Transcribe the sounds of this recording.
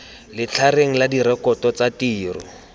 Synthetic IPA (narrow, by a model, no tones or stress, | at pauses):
lɪt͡ɬʰareŋ̩ladiɾɛkɔtɔt͡satiːrʊ̰